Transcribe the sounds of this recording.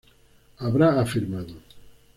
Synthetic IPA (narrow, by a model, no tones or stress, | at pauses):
aβɾaːfiɾmaðo